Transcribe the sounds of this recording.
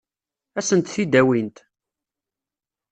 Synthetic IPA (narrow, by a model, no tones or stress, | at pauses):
æsənt̪θid̪æwint̪